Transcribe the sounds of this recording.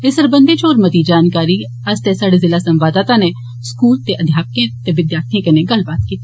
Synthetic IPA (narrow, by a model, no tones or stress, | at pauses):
ɪsəɾbɐ̃nd̪et͡ʃoːɾmət̪id͡ʒaːnkaːɾi | ɐst̪esaːɽezɪlasɐ̃mʋaːd̪aːt̪ãne | skuːlt̪eʔɐd̪ʱjaːp̚kẽt̪eʋɪd̪jaːɾt̪ʰĩkeneɡɐlbaːt̪kiːt̪i